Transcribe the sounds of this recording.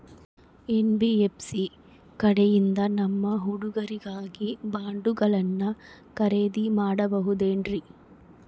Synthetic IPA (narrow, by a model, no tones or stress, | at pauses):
enbiepsi | kɐɽɛjind̪ɐnɐmːɐɦuɽuɡɐɾiɡaːɡibaːɳɖuɡɐɭɐnːɐ | kɐɾeːd̪imaːɽɐbɐɦud̪eːɳɾi